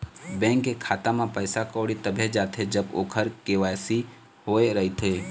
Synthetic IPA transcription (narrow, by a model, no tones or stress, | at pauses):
bɛ̃ːŋkːekʰaːt̪amãpəɪsakoːɽit̪əbʱed͡ʒaːt̪ʰed͡ʒəbo̰ːkʰəɾkeʋaːjsi | ɦoːeɾɐɦit̪ʰeː